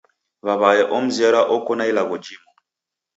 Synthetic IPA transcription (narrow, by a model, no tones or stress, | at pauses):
βaβajɛʔɔm̩ziaɾaʔɔkɔnailaɣɔd͡ʒimɔ